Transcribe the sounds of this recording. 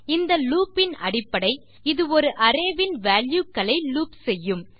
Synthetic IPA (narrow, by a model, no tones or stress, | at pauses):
ɪnd̪ɐluːpːɪnɐ̰ɽɪpːɐɽɐɪ | ɪðɯɔɾɯʔɐɾeːʋɪnʋaːljukːɐɭɐɪluːpsɛjːɯm